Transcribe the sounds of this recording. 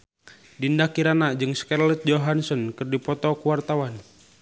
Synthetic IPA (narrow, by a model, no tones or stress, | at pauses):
dindakiɾanad͡ʒɨŋskarlɛt̪̚d͡ʒoɦansɔnkɨrdipɔt̪ɔkuwart̪awan